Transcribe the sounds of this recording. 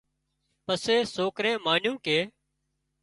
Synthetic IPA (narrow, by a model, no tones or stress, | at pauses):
pəseːsoːkɾẽːmaːnjũːkeː